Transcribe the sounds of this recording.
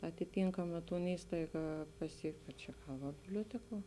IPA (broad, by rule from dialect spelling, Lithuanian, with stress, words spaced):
ɐtʲɪˈtʲɪŋkɐmɐ ˈtoːn ˈiːstɐɪɡɐ pɐˈsʲiɛkt oː ˈt͡ʃʲɛ ˈɡɐlˠ ʋɐ bʲɪbʲlʲoːˈtʲæːkuɔ